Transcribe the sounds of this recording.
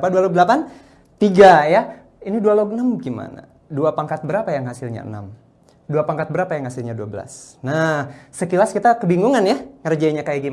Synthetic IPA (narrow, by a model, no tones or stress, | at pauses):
padualoɡ̚dəlapan | t̪iɡaja | inidualoɡnəmɡima̰na̰ | duapaŋkat̪̚bəɾapajaŋɦasilɲa̰ə̰na̰m | duapaŋkat̪̚bəɾapajaŋhasilɲaduabəla̰snahsəkilaskit̪akəbiŋɡuŋanjaŋərd͡ʒaiɲakajaɡim